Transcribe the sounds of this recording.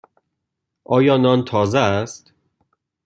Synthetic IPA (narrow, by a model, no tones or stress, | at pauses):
ʔɒːjɒːnɒnt̪ʰɒːzeæst̪